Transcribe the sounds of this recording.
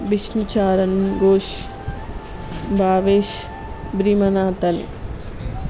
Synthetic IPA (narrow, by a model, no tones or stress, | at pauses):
biʃnut͡ʃaːɾɐnɡoːʃ | bʱaːʋeːʃ | bɾimɐnaːt̪ɐnḛ